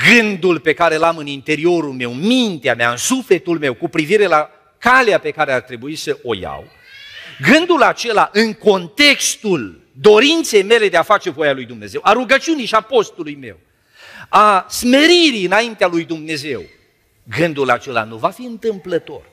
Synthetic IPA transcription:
ɡɨnd̪ulpe̞kaɾe̞lamɨnint̪e̞ɾio̞ɾulme̞wmint̪eamea̰ɨnsufle̞t̪ulme̞wkupɾiviɾe̞la | kaleape̞kaɾeart̪ɾe̞buisəʔo̞̰ja̰w | ɡɨnd̪ulat͡ʃe̞laʔɨŋko̞nt̪e̞kst̪ul | d̪o̞ɾint̪se̞jme̞le̞d̪eafat͡ʃe̞vo̞jalujd̪umne̞ze̞waɾuɡət͡ʃiunijʃiapo̞st̪ulujme̞̰w | asme̞ɾiɾiɨnaint̪ealujd̪umne̞ze̞w | ɡɨnd̪ulat͡ʃe̞la̰nuvafiɨnt̪ɨmplət̪o̞̰r

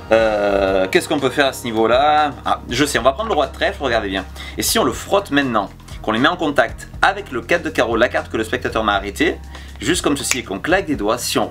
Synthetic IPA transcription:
økʲɛskɔ̃pøfɛʁasənivolaa̰ʒəsɛɔ̃vapχɑ̃d̪ʁləʁwat̪χɛfʁəɡaʁd̪ebjɛ̃ | esiɔ̃ləfχɔt̪mɛ̃t̪nɑ̃ | kɔ̃lemɛɑ̃kɔ̃t̪ak̚t̪ | avɛkləkat̚d̪əkaʁolakaʁt̪kələspɛkt̪at̪œʁmaːʁet̪e | ʒyst̪kɔmsəsiekɔ̃klak̚d̪ed̪wasiɔ̃

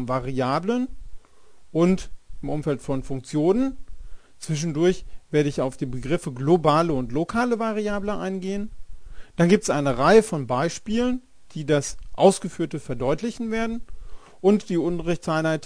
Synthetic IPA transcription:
nvaʁiaːblən | ʔʊntɪmʔʊmfɛltfɔnfʊŋkt͡sjoːnən | t͡sv̥ɪʃ̬n̩dʊɐçv̥eːɐɾəɪçaʊfd̥iːbəɡʁɪfəɡlobaːləʊntlokʰaːləvaʁiaːbləʔa̰ɪnɡeːənd̥anɡiːp̚tɛ̥sʔaɪnəʁaɪəfɔnbaɪʃpiːlən | d̥iːdasʔa̰ʊsɡ̥əfyːɐtəfɛɐdɔʏtlɪçn̩veːɐdn̩ | ʔʊntd̥iːʔʊntəʁɪçtt͡sʔaɪnhaɪt

